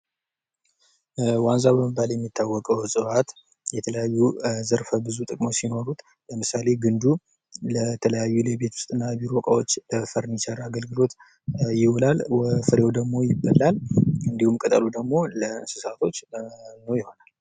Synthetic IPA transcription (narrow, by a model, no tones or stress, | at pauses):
wanzabəməbːaljɛmːit̪ʰːawːɔkʼəwsʼɨwat̪ | jɛt̪ʰələjajːuzəɾfəbɨzut̪ʼɨkʼmosino̞ɾut̪ʼ | ləmɨsale̞ɡɨnd̪u | lət̪ʰələjajːulebet̪ʰwʊ̥st̪ʼɨnːaβiɾwɔkʼawo̞t͡ʃːfəɾɨnɪsərːaaɡəlɡɨlo̞t̪ | jɪwɔlalfɨɾewd̪əɡmo̞jɪbːəlːalɨnd̪ihumkʼət̪ʼəlud̪əɡmo̞ləɨnsɨsat̪ʰo̞t͡ʃːnəwjɪho̞nal